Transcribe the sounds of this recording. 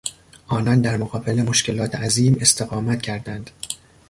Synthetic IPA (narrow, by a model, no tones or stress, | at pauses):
ʔɒːnɒnd̪æɾmoɣɒːbe̞lemo̞ʃcʲe̞lɒːt̪ʰeʔæziːme̞st̪e̞ɣɒːmæt̪cʰæɾd̪ænd̪̥